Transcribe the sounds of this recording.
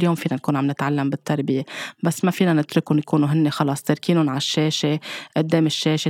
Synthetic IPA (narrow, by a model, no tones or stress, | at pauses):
ljoːmfiːnankuːnʕamnɪt̪ʕalːambɪt̪ːaɾˤbɪjebasːmafiːnanɪt̪ɾʊkʊnjakuːnuɦɪnːexɑlɑsˤt̪ɪɾkiːnʊnʕaʃːeːʃeʔʊd̪ːeːmɪʃːeːʃe